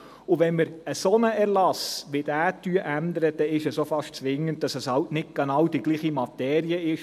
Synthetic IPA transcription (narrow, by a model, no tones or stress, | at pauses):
ʊʋɛnməɾəsɔnəʔɛɾlɑsʋɪd̥æːtːyəʔænd̪əɾəd̥̪ɛɪʃəsofɑʃtt͡sʋɪŋːənt̚d̥ɑsəshɑltnɪt̚ɡ̥ɛnɑwd̥iɡ̥liːχimɑt̪ɛːɾiəɪʃ